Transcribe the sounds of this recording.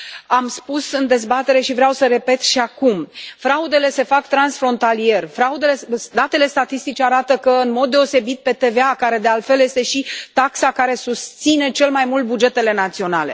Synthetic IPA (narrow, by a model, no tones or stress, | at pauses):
amspusɨnd̪e̞zbat̪e̞ɾe̞ʃivɾeawsəɾe̞pe̞t̪ʃiakumfɾaud̪e̞le̞se̞fakt̪ɾansfɾo̞nt̪alije̞rfɾaud̪eled̪at̪e̞le̞st̪at̪ist̪it͡ʃeaɾat̪əkəɨnmo̞d̪ːe̞o̞se̞bit̪̚pe̞t̪e̞veakaɾe̞d̪ealt̪fe̞ljest̪e̞ʃit̪aksakaɾe̞sust̪sine̞t͡ʃe̞lmajmult̪̚bud͡ʒe̞t̪e̞le̞nat̪sio̞nale̞